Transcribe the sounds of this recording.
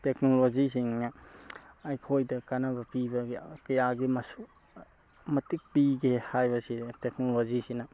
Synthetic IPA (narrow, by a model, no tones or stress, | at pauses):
teknolozis̬iŋnɐː | jkʰojdɐkanɐbɐpibɐɡkɐjaɡimɐsu | mɐtik̚piɡehajbɐsitek̚nolozisinɐ